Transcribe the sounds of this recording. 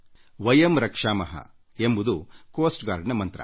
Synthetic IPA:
ʋɐjɐmɾɐkʂaːmɐɦɐ̰ | embud̪ukoːsʈɡaːɾɳɐmɐnt̪ɾɐ̰

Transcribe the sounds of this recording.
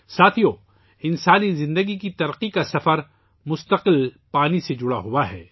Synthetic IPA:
saːt̪ʰijo | ɪnsaːnizɪ̃nd̪əɡikit̪ɐɾqikasɐfəɾ | mʊst̪əqɪlpaːnised͡ʒʊɽaɦʊaɦɛ̰ː

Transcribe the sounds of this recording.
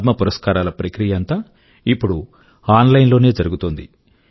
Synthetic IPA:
d̪mɐpuɾɐskaːɾaːlɐpɾɐkɾijɐɐnt̪aː | ipːuɽu | aːnlɐjnlo̞ːne̞ːd͡ʒɐɾuɡut̪ond̪i

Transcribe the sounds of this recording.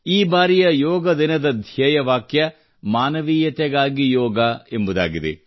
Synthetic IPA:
iːbaːɾijɐjɔːɡɐd̪inɐd̪ɐd̪ʱjɐjɐʋaːkjɐ | maːnɐʋiːjɐt̪ɛɡaːɡijɔːɡɐembud̪a̰ːɡid̪ḛ

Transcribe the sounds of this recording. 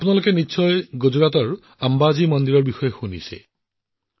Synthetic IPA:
apʊnalokɛnitːsʰɔjɡozɔɹat̬ɔɹ | ambazimɔnd̪iɹɔɹbixɔjɔxunḭsɛ̰

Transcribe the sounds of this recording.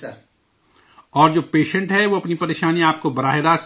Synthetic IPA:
ɔːɾd͡ʒoːpeːʃə̃ɳʈɦɛʋoɐpnipɐɾeːʃaːniaːp̚kobɐɾaːɦeɾaːs

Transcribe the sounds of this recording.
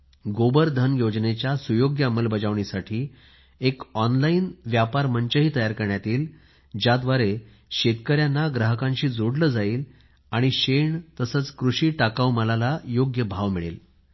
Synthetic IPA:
ɡobəɾd̪ʱənjod͡znet͡ɕjasujoɡjəəməlbəd͡zaʋɳisaʈʰiː | ekɔnlainʋjapaɾməɲt͡ɕəɦiːt̪əjaɾkəɾɳjat̪iːl | d͡ʑjad̪ʋaɾe | ɕet̪kəɾjanːaɡɾəɦəkãɲɕiːd͡zoɽləːd͡zaiːl | aɽ̃iɕeɳt̪əsət͡skɾuɕiːʈakawməlalajoɡjəbʱaʋmiɭḛl

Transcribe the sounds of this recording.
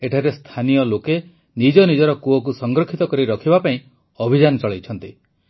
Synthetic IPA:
eʈʰaɾest̪ʰanijɔloke | nid͡ʒɔnid͡ʒɔɾɔkuɔk̬usɔŋɡɾɔkʰːit̪ɔkɔɾiɾɔkʰibapaĩ | ɔbʱid͡ʒanɔt͡ʃɔɭejt͡ʃʰɔnt̪i

